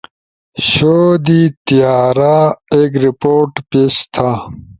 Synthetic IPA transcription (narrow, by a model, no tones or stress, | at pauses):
ɕoːd̪it̪ijaːɾaeɡɾipoːʈpest̪ʰa